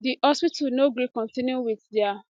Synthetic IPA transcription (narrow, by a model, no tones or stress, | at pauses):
diʔɔspitanoɡikɔ̃ntĩnuwiθdɛa